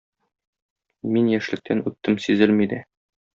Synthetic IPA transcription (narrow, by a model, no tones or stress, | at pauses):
minjæʃlɘ̆k̚t̪ʰænʉt̪ːɘmsizɘlmid̪æ